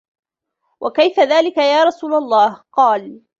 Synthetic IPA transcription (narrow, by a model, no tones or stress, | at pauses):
wʔakajfaðaːlɪkajaːɾˤɑsuːlalˤːɑːhqɑːl